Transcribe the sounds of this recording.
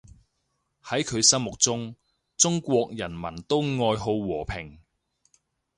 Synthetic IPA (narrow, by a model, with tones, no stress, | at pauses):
hɐ˨˥jkʰɵ˨˧ɥsɐ˥mʊ˨k̚t͡sʊ˥ŋ | t͡sʊ˥ŋkʷɔː˧k̚jɐ˨˩nmɐ̰˨˩nt̪o˥wŋɔː˧jɦo˧wwɔː˨˩pʰɪ˨˩ŋ